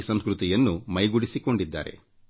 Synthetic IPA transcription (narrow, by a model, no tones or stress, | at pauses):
sɐmskɾut̪ijɐnːumɐjɡuɽisiko̞ɳɖid̪ːa̰ːɾe̞̰